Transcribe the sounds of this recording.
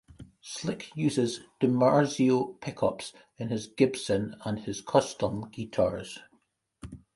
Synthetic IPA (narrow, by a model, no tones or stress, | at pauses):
slˠɪkʰjʉːzɪzd̥əmaɹziopʰɪkʰɔps | ɪ̃nɪzɡɪb̥sə̃nə̃nɪz̥kʰɔstə̃mɡ̥iʔʰa̰ɹz̥